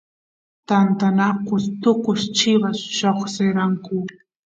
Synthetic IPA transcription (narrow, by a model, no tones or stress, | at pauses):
t̪ant̪anakʊst̪ʊkʊʃt͡ʃɪβasʃoχseɾaŋkʊ